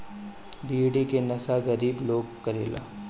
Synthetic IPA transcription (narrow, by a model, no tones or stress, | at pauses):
biːɽikenɐsaɣɐɾiːbloːɡkɐɾḛːla̰ː